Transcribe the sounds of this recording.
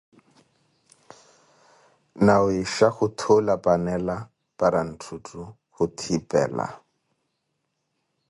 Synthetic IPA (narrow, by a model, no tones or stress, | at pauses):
nawɪʃaχʊtʰʊlapʼanɛla | pʼaɾan̩tʰutʼu | χʊtʰipʼɛ̰ːla̰